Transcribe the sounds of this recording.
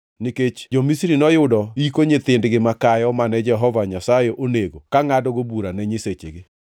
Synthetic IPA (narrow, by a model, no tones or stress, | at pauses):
niket͡ʃd͡ʒɔmisiɾinɔjʊdɔikoɲet̪ɪndɡɪmakajɔmanɛd͡ʒɛɦɔvaɲasajeʔoneɡokaŋadɔɡobuɾanɛɲɪset͡ʃeɡe